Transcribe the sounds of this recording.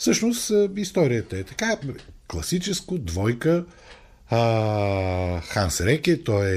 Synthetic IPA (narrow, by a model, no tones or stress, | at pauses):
fsɤʃnosist̪ɔɾijət̪əɛt̪ɐkaklˠɐsit͡ʃɛskod̪vɔjkə | xansɾɛkʲɛt̪ɔɛ